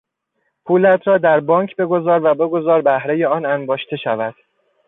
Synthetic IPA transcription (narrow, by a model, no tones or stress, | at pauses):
pʰuːlæt̪ʰɾɒːd̪æɾbɒːŋkʰbe̞ɡo̞zɒːɾvæbe̞ɡo̞zɒːɾbæhɾe̞je̞ɒːnænbɒːʃt̪ʰe̞ʃævæd̪̥